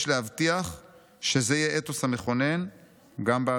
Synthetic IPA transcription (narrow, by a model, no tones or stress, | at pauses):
ʃleɦavt̪iaχ | ʃe̞zejeʔet̪oshame̞χo̞nen | ɡambea